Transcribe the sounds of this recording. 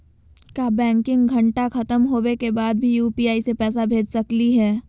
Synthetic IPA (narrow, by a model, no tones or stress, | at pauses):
kabɛ̃ːŋkɪ̃ŋɡɡʱɐɳʈaxɐt̪əmɦoːwekebaːd̪̚bʱijuːpiːaːisepɛːsabʱeːd͡ʒsɐkliɦɛː